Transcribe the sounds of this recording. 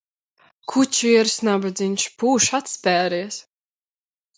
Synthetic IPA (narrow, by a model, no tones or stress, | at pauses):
kʰut͡ɕiɛɾsnabɨd̪zʲiɲʲʃpuːʃat̪spʲæːɾiɛs